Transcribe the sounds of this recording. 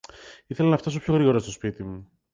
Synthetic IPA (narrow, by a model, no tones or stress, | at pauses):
iθe̞lɐnɐft̪ɐsopço̞ɣɾiɣo̞ɾost̪o̞spit̪imu